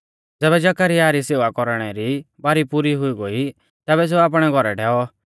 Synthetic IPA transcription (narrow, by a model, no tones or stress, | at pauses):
d͡zɛːβɛd͡ʒakaɾiaːɾiseːʋakɔɾɽ̃ɛɾibaːɾipuɾiɦʊiɡoi | t̪ɛːβɛs̬eaːp̬ɽ̃ɛɡʱɔɾɛɖʰʱɛːɔ